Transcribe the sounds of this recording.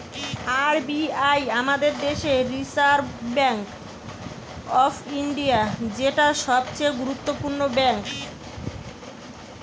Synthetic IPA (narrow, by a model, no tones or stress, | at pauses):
aɾbiajamad̪eɾd̪eʃeɾisaɾbɛŋk | ɔfʰiɳɖiad͡ʑeʈaʃɔb̚t͡ɕejɡuɾut̪ːopuɾnobɛŋk